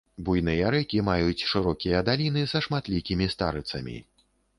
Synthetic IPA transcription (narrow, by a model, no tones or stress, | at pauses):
bujn̪ɨjɐɾɛkʲimajut͡sʲʂɨɾɔkʲijɐd̪alʲinɨzɐʂmat̪lʲikʲimʲist̪a̰ɾɨt̪sɐmʲḭ